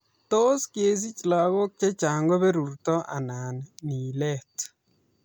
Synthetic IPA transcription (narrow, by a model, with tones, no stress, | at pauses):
to˦ske˦s̬i˦t͡ʃla˨ɣɔ˦k̚t͡ʃe˦t͡ʃa˨ŋɡɔ˦βɛ˦ɾu˨rtɔ˦ʔa̰˨na˨nni˨lɛ˦˨t